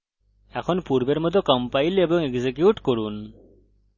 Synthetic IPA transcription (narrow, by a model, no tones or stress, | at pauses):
ɛkʰɔnpuɹbɛɹmɔt̪ɔkɔmpajlebɔŋɛɡzekjuʈkoɹun